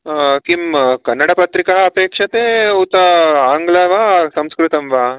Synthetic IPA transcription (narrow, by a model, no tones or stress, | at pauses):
kimkɐnːɐɽɐpɐt̪ɾikɐɦɐːpeːkʂɐt̪eːut̪ɐaːŋɡlɐʋaːsɐmskɾut̪ɐmʋaː